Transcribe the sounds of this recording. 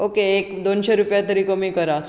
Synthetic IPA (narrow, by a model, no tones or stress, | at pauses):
okeːkd̪onɕeɾupjat̪əɾiːkəmiːkəɾat̪